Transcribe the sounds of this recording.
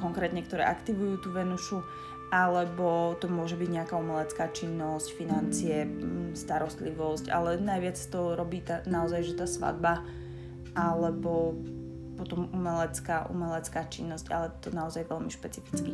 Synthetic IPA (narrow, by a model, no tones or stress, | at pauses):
kɔŋkɾɛːt̪ɲɛkt̪ɔɾɛ̰ːʔakt̪iʋujuːt̪uːʋɛnuʃu | ʔalɛbɔt̪ɔmʊɔʒɛbiɟɲɛakaːumɛlɛt͡skaːt͡ʃinːɔscfinant͡siɛst̪aɾɔst̪liʋɔsca̰lɛnajʋɪat͡sḁt̪ɔɾɔbiːt̪anaɔzajʒɛt̪aːsʋa̰d̪̚ba | ʔalɛbɔ | pɔt̪ɔmumɛlɛt͡skaːʔṵmɛlɛt͡skaːt͡ʃinːɔsca̰lɛt̪ɔnaɔzajʋɛlmiʃpɛt͡sifi̥t͡ski